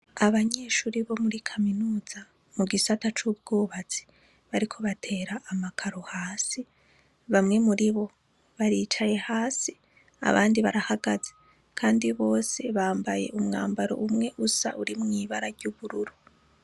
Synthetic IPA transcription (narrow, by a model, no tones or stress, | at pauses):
aβaɲe̞ːʃuːɾiβo̞muɾikʰaminuːza | muɡisatat͡ʃub̚ɡoːβat͡si̥ | βaɾikʰo̞βatʰe̞ːɾaʔːmakʰaɾo̞haːsi | βamŋe̞muɾiβo̞ | βaɾiːt͡ʃaje̞haːsi | a̰βa̰ːndiβaɾahaɡaze | kʰaːndiβo̞ːse̞βaːmbaje̞̰ʔumŋa̰ːmbaɾo̞̰ʔumŋe̞ʔusa̰ʔuɾimŋiːβaɾaɾɟuβuɾuɾu